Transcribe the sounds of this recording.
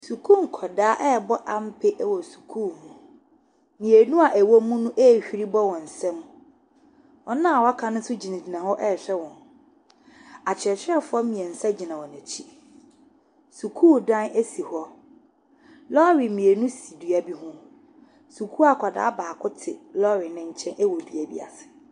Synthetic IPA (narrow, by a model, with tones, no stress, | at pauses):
su˨kʰũ˦˨ŋ˨kʰɔ˨daː˨˦ʔɛ˦˨bɔ˦ʔa˨m̩˦pʰɪ˦ʔwɔ˨su̥˨kʰuː˦˨mũ˨ | mĩ˨e˨nũ˦a˨ʔæ˨wo˦mũ˦nũ˦ʔɛ˦˨ɕᶣi˦ɾi˦bɔ˦wɔ̃˨n̩˨sɛ̃˦m | wɔ˨nã˦˨wa˦kʰã˨nʊ̃˦sʊ˦d͡ʑi˨nã˨d͡ʑi˨nã˨hɔ˦ʔɛ˦˨ɕᶣɛ˦wɔ̃˨n | a˨t͡ɕʰɪ˨ɛ˨t͡ɕᶣɪ˦ɛ˦fʊ˦ɔ˦mĩ˨ɛ˨n̩˨sa˦d͡ʑi˨nã˨wɔ˨næ̃˨t͡ɕʰi˦ | su˨kʰuː˦˨dã˦ne˦si˨hɔ˦ | lɔ˦ɾi˨mĩ˨e˨nũ˦si˨du˨æ˦bi˦ɦʊ̃˦ | su˨kʰu˦a˦˨kʷʰa˨da̰ː˨˦baː˨kʰʊ˦tʰɪ̰˨lɔ˦ɾɪ˨nɪ̃˦ɲ̩˦t͡ɕʰɛ̃˦nʔɛ˦wɔ˨du˨æ˨bḭ˦a̰˨sɪ̥˨